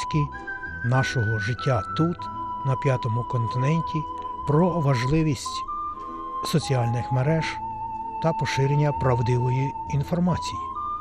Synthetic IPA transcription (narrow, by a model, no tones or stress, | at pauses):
kʲi | nɑʃɔɦɔʒɪtʲːat̪ut̪nɐpʲjat̪ɔmʊkɔnt̪ɪnɛnʲtʲi | pɾɔʋɐʒlˠɪʋʲisʲtʲ | sɔt͡sʲiɑlʲnɪxmeɾɛʒ | t̪ɐpɔʃɪɾenʲːɐpɾɐwd̪ɪʋɔjiː | nfɔrmɑt͡sʲiji